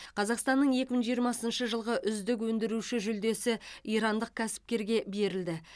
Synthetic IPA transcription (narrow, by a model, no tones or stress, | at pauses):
qʰɑzɑqst̪ɑnːəɴje̞kʲɪməɴʒijəɾmɑsənʃəʒəlˠʁəʔʏzd̪ɪk̬wɵnd̪ɪɾuʃɪʒʏld̪e̞sɪijɾɑnd̪əq̚kʲʰæsɪ̥p̚kʲe̞ɾɡʲe̞be̞ɾɪld̪ɪ